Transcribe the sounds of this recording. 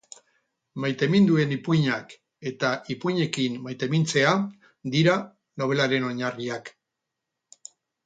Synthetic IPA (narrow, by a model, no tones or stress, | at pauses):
majt̪e̞mind̪ue̞nipuɲak | e̞t̪aʔipujɲe̞kimmajt̪e̞mint͡se̞a | d̪iɾa | no̞β̞e̞laɾe̞no̞ɲariak